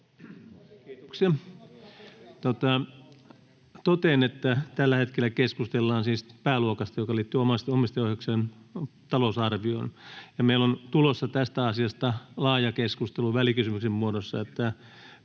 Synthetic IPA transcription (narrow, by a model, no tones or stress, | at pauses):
ksiɑ | t̪ot̪ɑ | t̪ot̪enet̪ːæt̪ælːæhet̪kelːækeskust̪elːɑːnsiːspæːluokɑst̪ɑjokɑliːt̪ːyomɑst̪iomist̪ojoˑhekseːnt̪ɑlosɑrʋio̰injɑmeilont̪ulosːɑt̪æst̪æɑsiɑst̪ɑlɑːjɑkeskust̪eluʋælikysymyksemmuodosːɑ̰et̪ːæ